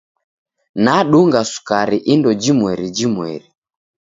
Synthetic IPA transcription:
naɗuŋɡasu̥kaɾiʔindɔd͡ʒimwɛɾid͡ʒimwɛ̰ɾi

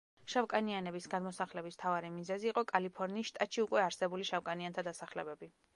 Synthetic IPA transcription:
ʃavkʼanianɛbisɡad̪mɔsaχlɛbism̥t̪ʰavaɾimizɛziːqʼɔkʼalipʰɔɾniːsʃt̪ʼat̪ʃiukʼwɛaɾsɛbuliʃavkʼaniant̪ʰad̪asaχlɛbɛbi

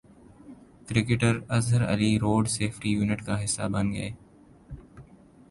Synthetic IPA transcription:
kɾɪkɪʈəɾɐzɦəɾə̰liɾoːɖseːfʈijuːnɪʈkaɦɪsːabɐ̃nɡɐ̰eː

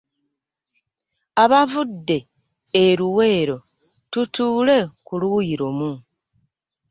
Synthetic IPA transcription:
aβavudːe̞ː | ɾuwe̞ːɾo̞ | tutuːle̞kuluiɾo̞mu

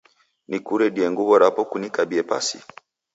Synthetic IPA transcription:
nikuɾɛdiɛŋɡuβɔɾapɔkunikabiɛpa̰sḭ

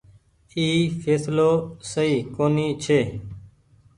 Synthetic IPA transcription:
iːfʰeːsloːsəiːkoːniːt͡ʃʰeː

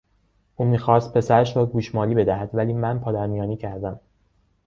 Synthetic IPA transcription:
ʔuːmiːxɒːst̪̚pʰe̞sæɾæʃɾɒːɡuːʃmɒːliːbe̞d̪æhæd̪̥væliːmænpʰɒːd̪æɾmijɒːniːcʰæɾd̪æm

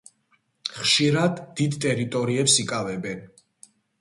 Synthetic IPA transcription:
χʃiɾad̪ːid̪t̪ʼɛɾit̪ʼɔɾiɛpsikʼavɛbɛn

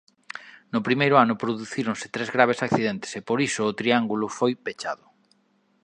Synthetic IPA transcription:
nʊpɾimejɾʊanʊpɾoðuθiɾonsɪ̥t̪ɾezɣɾaβ̞esakθiðẽnt̪e̥sepoɾisʊːt̪ɾiaŋɡulʊfojpet͡ʃaðʊ

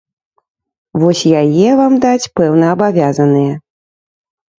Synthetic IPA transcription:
vɔsʲjajɛvamd̪at͡sʲpɛwnɐːbavʲazɐnɨjɛ

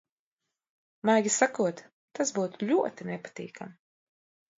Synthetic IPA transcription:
majɡʲisakuɔt̪ | t̪asbuːt̪uʎʲuɔt̪inɛpḁt̪ḭːkam

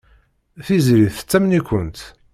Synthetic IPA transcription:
θizɾiθt͡sːæmnikʷənt̪

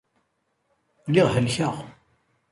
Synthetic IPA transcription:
lɪʁɦəlçəʁ

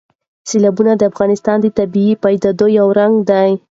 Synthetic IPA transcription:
selabunad̪əafɣɑnɪst̪ɑnd̪ət̪abiipajd̪ad̪ojawɾaŋɡd̪aj

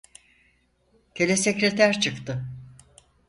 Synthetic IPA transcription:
cʰelʲesecɾe̞t̪ʰæɾt͡ʃʰɯkt̪ʰɯ

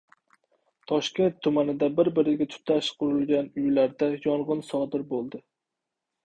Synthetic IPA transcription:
t̪ʰɒʃkʲe̞nt̪ʰːʊmanɪd̪abɪɾbɪɾɪɡʲat̪ʰʊ̥t̪ʰaʃqʰʊɾɨlˠɡʲanʊjlaɾd̪ajɒɴʁɨnsɒd̪ɪɾbolˠd̪ɪ

